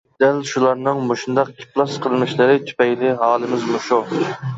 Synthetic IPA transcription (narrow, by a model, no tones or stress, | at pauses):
d̪̥ɛlʃulˠɑɾnɨŋmoʃund̪ɑqkʲʰi̥plˠɑsqʰəlˠɨnɨʃlɨɾɪt̪ʰy̥pɛjlɪɦɑːlˠɨmɪzmuʃu